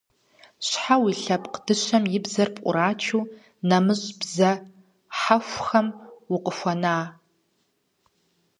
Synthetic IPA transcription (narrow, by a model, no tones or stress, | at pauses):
ɕʷħawiɬɐpʼqd̥ɨʃʷɐmjɪbzɐrpʼqʷʼʊ̰ɾaːt͡ʃʰuː | nɐmɨɕʼbzɐ | ħaxʷxɐmwʊqʼəxʷɐnaː